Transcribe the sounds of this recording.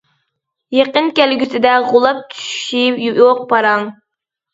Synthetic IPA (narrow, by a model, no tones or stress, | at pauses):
jeqənkʲælɡʲysɪd̪ɛʁʊlˠɑp̚t̪ʰy̥ʃipjjoq̚pɑɾɑŋ